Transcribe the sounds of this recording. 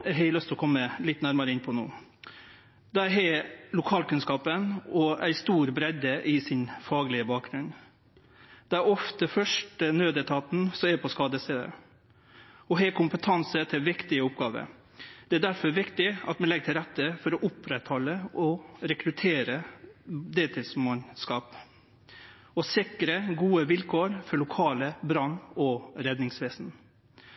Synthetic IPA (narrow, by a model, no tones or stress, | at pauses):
æɦɛɪlœst̪ʰɔkʰɔmːəlɪt̪ːnæɾmɑɾəɪnpʰɔnṵː | d̪æɾɦɛlʊkʰɑːlkʉnskɑːpənɔæ̰ɪst̪uːɾbɾɛd̪əʔɪsɪnfɑːɡlɪəbɑːk̚ɡɾʉn | d̪̥ɛæɾɔft̪əfœʂʈənøːd̪ət̪ʰɑːt̪n̩sɔmɛpʰɔskɑːd̪əst̪eːd̪ə̰ | ɔɦɛːkʰʊmpət̪ʰɑnsət̪ʰɪlʋɪkt̪ɪəʊpɡɑːʋə̰ | d̪̥ɛæd̪æɾfɔɾʋɪkt̪ɪɑt̪mɛnlɛɡ̚ʈ̪ʰɪlɾɛt̪ːəfɔɾɔʔʊpʰɾɛt̪hɔlːəʔɔɾɛkɾʉt̪ʰeːɾə | d̪eːt̪ʰɪlsmɑnskɑːp | ɔsɪkɾəɡuːəʋɪlkʰoːɾfɔɭʊkʰɑːləbɾɑnːɔɾɛd̪nɪŋsʋeːsn̩